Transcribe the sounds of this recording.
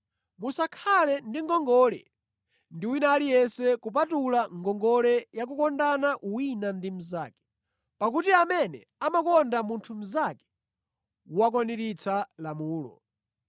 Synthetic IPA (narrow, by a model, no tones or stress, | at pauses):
musakʰalɛndiŋɡɔŋɡɔlɛ̰ | ndiwinaːlijɛnsɛkup̬atulaŋɡɔŋɡɔlɛjak̬ukɔndanaʔuwinandim̩za̰ːkɛ̥ | pak̬utiamɛnɛ | amakɔndamuntʰum̩zakɛ̥ | wak̬waniɾit͡sʰalamuːlɔ̰